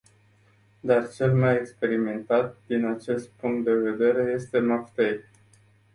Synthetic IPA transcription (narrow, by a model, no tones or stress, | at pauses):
d̪art͡ʃe̞lmajekspe̞ɾime̞nt̪at̪̚d̪inat͡ʃe̞st̪̚puŋk̚t̪̚d̪e̞ve̞d̪e̞ɾe̞je̞st̪e̞maft̪ej